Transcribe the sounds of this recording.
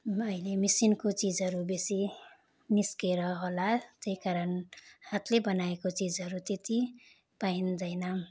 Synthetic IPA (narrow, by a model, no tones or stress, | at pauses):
ʌilemisinkot͡sid͡zʌɾubesi | niskeɾʌɦolat̪ejkaɾʌnhat̪ʰlebʌnaekot͡sid͡zɦʌɾut̪et̪i | paind̪ʌjnʌ